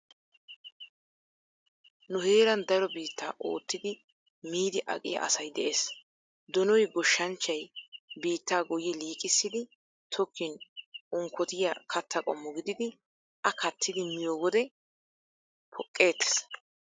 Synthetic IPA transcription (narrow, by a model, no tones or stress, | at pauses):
nʊɦeːɾɐnd̪ɐɾɔbiːt̪ːaːʔo̰ːt̪ːɪd̪ɪ | miːd̪ɪʔɐ̰kʼɪjɐ̰ʔɐ̰sɐjd̪ɛʔeːs | d̪ɔnɔjɡɔʃːɐnt͡ʃːɐjbiːt̪ːaːɡɔjɛliːkʼɪsːɪd̪ɪ | t̪ʰɔkʰːɪnʊŋkːɔt̪ɪjɐkʰɐt̪ːɐkʼɔmːɔɡɪd̪ɪd̪ɪ | ʔɐkʰɐt̪ʰːɪd̪ɪmɪjoːɡɔd̪ɛ | pʰɔkʼːe̞ːt̪ːɛ̥s